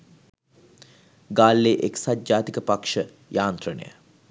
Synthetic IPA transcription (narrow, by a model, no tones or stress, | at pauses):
ɡaːlːeːʔeksad̪̚d͡ʒaːt̪ikəpakʂə | jʔaːnt̪ɾənə̰jə̰